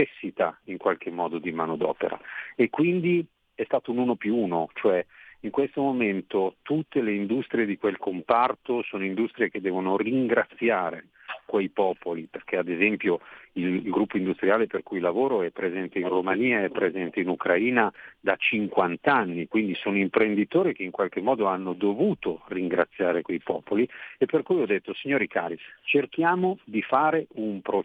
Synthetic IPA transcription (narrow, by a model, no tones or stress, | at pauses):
esːit̪aiŋkwalk̟emːɔːd̪od̪imaːnod̪ɔ̰ːpḛɾa̰ekːwind̪i | ɛst̪aːt̪ounuːnopjuuːnot͡ʃoɛiŋkwest̪omoment̪ot̪ut̪ːeleind̪ust̪ɾijed̪ikwelkompart̪osoːnoind̪ust̪ɾiek̟ed̪ɛːvonoriŋɡɾat̪sːjaːɾe | kwejpɔːpoliperk̟ead̪ezɛmpjoilɡɾupːoind̪ust̪ɾiaːleperkujlavoːɾoɛpːɾezɛnt̪einromaniːaɛpːɾezɛnt̪einukɾaiːnad̪at͡ʃiŋkwant̪anːikwind̪isoːnoimpɾend̪it̪oːɾik̟eiŋkwalkemːɔːd̪oanːod̪ovuːt̪oriŋɡɾa̰t̪sːjaːɾekwejpɔ̰ːpoliepːerkujɔd̪ːet̪ːosiɲːoːɾikaːɾit͡ʃerkjaːmod̪ifaːɾeumpɾo